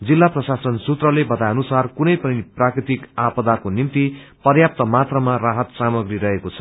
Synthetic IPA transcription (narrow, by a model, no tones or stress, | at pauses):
d͡zilːaprʌsasʌnsut̪rʌlebʌt̪aʌnusarkunʌjpʌniprakrit̪ikapʌd̪akonimt̪ipʌrjap̚t̪ʌmat̪rʌmaraɦʌt̪samʌɡriɾʌɦekot͡sʰʌ̥